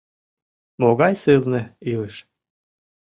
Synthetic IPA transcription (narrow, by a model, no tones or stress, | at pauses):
moɣɑjsɨznĕileʃ